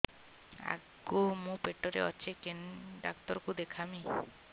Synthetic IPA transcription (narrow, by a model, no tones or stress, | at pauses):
a̰ɡomũpeʈɔɾḛɔt͡ʃʰekenɖa̰kt̪ɔɾkud̪ekʰami